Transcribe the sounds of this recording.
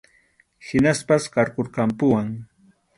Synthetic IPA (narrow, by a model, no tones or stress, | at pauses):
hɪnaspaskɑɾkoɾkɑmpʊwaŋ